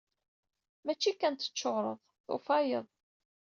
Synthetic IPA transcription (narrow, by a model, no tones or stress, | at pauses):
mæt͡ʃːikænt̪ə̥t͡ʃːoʁɾˤəðˤθo̰fɑjəðˤ